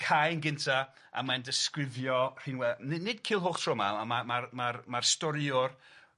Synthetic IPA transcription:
kʰajnɡɪntʰa | a̰mandɪskrɪvjɔr̥iːnwɛnɪnɪdkʰiːlˠɦoːχtʰrɔma̰amamarmarmarstɔɾjʊr

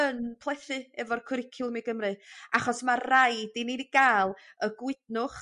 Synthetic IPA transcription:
ənpʰlˠɛθɨɛvɔrkʰʊɾɪkʰɪlˠmiɡəmrɨaχɔsmarrajdinidiɡ̥aːlˠ | əɡwɪdnʊχ

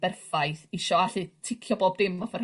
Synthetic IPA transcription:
bɛrfajθɪʃɔaɬɨtʰɪkʰjɔboːb̚dɪmɔfɛr

